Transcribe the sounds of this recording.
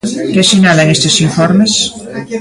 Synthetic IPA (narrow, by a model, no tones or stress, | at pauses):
kesiɲaleŋest̪esiɱfoɾmes